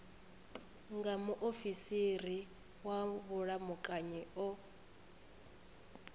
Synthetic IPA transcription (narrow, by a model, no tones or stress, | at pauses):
ŋɡamuʔofisiri | waβʊɺamʊkʼaɲɛɔ